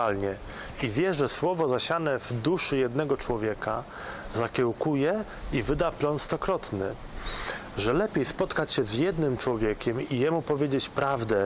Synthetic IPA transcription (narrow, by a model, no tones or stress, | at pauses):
alɲɛ | ivʲjɛʐɛswɔvɔzaɕanɛvd̪uʂɘjɛd̪nɛɡɔt͡ʂwɔvʲjɛka̰ | zakʲɛwkujɛ | ivɘd̪aplɔnst̪ɔkɾɔt̪nɘ | ʐɛlɛpʲjejspɔt̪kat͡ɕɕɛzjɛd̪nɘmt͡ʂwɔvʲjɛkʲɛmijɛmupɔvʲjed͡ʑet͡ɕpɾʔavd̪ɛ